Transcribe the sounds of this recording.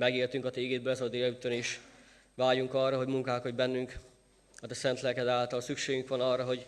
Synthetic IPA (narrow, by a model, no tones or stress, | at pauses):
mɛɡeːrt̪yŋkɒt̪ɛiɡeːd̪bøɛzɒd̪ejɒyt̪ːøneːʃ | ʋaːjuŋkɒrːɒɦo̞ɟmuŋkaːkod̪bɛnːyŋk | ɒt̪ɛsɛnt̪lɛkɛd̪aːlt̪ɒlsykʃeːɡyŋkʋɒnɒrːɒɦo̞ɟ